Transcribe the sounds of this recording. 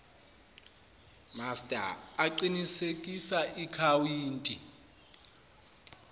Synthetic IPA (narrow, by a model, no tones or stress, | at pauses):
mastʼa̰ːǃinisekʼisaʔikʰawiːntʼi